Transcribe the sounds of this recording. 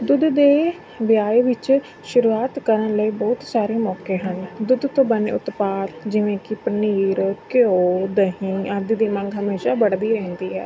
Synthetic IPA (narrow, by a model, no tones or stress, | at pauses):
d̪ʊd̪d̪eː | ʋjaːeːʋɪt͡ʃ | ʃʊɾuːaːt̪kəɾənləiːbɔːt̪saːɾeːmɔːkeːɦənd̪ʊd̪t̪õːbənḛʊt̪paːt̪d͡ʒɪʋẽːkɪpəniːɾkɪoːd̪əɦĩːad̪iːd̪iːmə̃ŋɡɦəmeːʃaːbəɽd̪iːɾɛ̃ːnd̪iːɦɛ̰ː